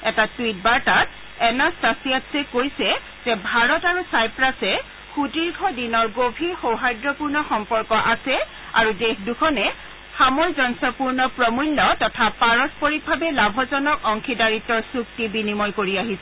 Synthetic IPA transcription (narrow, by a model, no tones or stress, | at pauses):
ɛtatwit̚baɹtat | ɛnastasiatsɛkojsɛ | z̥ɛbʱaɹɔtaɹusajpɹasɛ | xutiɹkʰɔdinɔɹɡobʱixowɦajdɹɔpuɹnɔxɔmpɔɹkɔʔasɛ | aɹudexdukʰɔnɛ | xamɔjzɔnsɔpuɹnɔpɹɔmulːɔtɔtʰapaɹɔspɔɹik̚bʱabɛlabʱɔzɔnɔkɔŋkʰidaɹitːɔɹsuk̚tibinimɔjkoɹiaɦisɛ